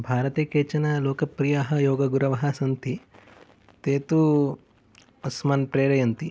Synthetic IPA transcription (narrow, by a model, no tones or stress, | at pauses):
bʱaːɾɐt̪eːkeːt͡ʃɐnɐloːkɐpɾijaɦɐjoːɡɐɡuɾɐʋɐɦɐsɐnt̪ʰi | t̪eːt̪u | ɐsmaːnpɾeːɾɐjɐnt̪i